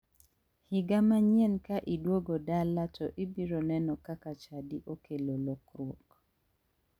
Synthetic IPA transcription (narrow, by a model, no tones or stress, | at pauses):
hɪɡamaɲjenkaʔidwoɡodalatɔʔibiɾonɛnɔkakat͡ʃadiʔokʰelolok̚ɾwok